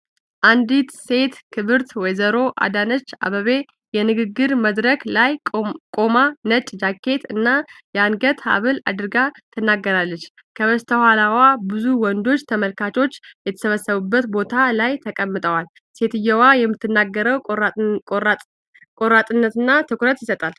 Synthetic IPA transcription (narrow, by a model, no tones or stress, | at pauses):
ʔand̪it̪se̞t̪kʰɨβɨɾt̪wɔjzəɾo̞ʔa̰d̪anət͡ʃːa̰βəβe | jɛnɨɡɨɡːɨɾməd̪ɾəklajkʼo̞manət͡ʃʼd͡ʒakʰːe̞t̪ɨnːajɛanɡət̪ha̰βɨla̰d̪ɨɾɨɡat̪ʰɨnːaɡːəɾalːət͡ʃː | kʰəβəst̪ʰəhalawabɨzuwɔnd̪o̞t͡ʃːt̪ʰəməlkʰat͡ʃʰo̞t͡ʃːjɛt̪ʰə̥səβəsəβubːət̪bo̞t̪ʰalajt̪ʰəkʼəmːɨt̪ʼəwal | se̞t̪ɨjːɛwajɛmːɨt̪ːɨnːaɡːəɾəw | kʼoɾat̪ʼɨnːət̪ɨnːat̪ʰɨkʷuɾət̪jɪsət̪ʼal